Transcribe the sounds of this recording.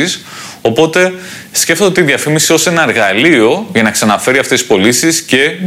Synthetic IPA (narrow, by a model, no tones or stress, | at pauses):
is | o̞po̞t̪e̞ | sce̞ft̪oot̪iðiɐfimisio̞se̞nɐeɾɣɐlio̞ʝɐnɐksɐnɐfe̞ɾiɐft̪e̞sispo̞lisisce̞